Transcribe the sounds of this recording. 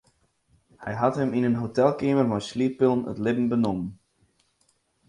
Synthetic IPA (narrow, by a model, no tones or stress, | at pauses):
hɛjɦatɦəminənɦotɛlˠkeːmərmajsliəpɪlˠnə̰tlɪbn̩bənomən